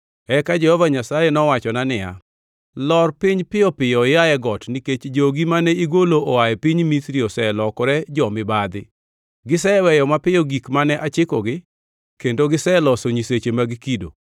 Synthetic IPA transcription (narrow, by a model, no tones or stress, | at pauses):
ɛkad͡ʒɛhɔvaɲasajenɔwat͡ʃɔnanɪja̰ | lɔrpiɲpɪjɔpɪjɔɪjaɛɡɔtniket͡ʃd͡ʒoɡimanɛiɡoloɔajɛpiɲmisɾiɔsɛlɔkɔɾɛd͡ʒɔmɪbad̪ɪ | ɡɪsɛwɛjɔmapɪɔɡikmanɛʔat͡ʃɪkɔɡɪ | kendoɡɪsɛlɔsoɲiset͡ʃemaɡikido̰